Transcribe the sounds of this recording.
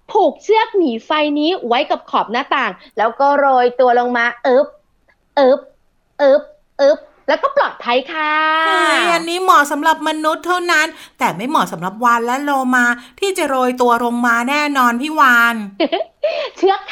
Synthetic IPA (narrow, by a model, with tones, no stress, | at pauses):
t̪ʰuː˨˩k̚t͡ɕʰɯ˥˩ək̚niː˩˦fa˧jniː˦˥wa˦˥jka˨˩p̚kʰɔː˨˩p̚naː˥˩t̪aː˨˩ŋlɛː˦˥wkɔː˥˩ɾoː˧jt̪u˧ɐlo˧ŋmaː˧ʔɤː˦˥p̚ | ʔɤː˦˥p̚ | ʔɤː˦˥p̚ | ʔɤː˦˥p̚ | lɛː˦˥wkɔː˥˩plɔː˨˩t̪̚pʰa˧jkʰa˥˧˥ | a˧nːiː˦˥mɔː˨˩˦sa˩˦mɾa˨˩p̚ma˧nu˦˥t̪ʰːa˥˩wna˦˥nt̪ɛː˨˩ma˥˩jmɔː˨˩sa˩˦mɾa˨˩p̚wa˧nlɛ˦˥loː˧maː˧t̪ʰiː˥˩t͡ɕa˨˩ɾoː˧jt̪̬u˧ɐlo˧ŋmaː˧nɛː˥˩nɔː˧np̪ʰiː˥˩wa˧n | t͡ɕʰɯ˦˥əkʰ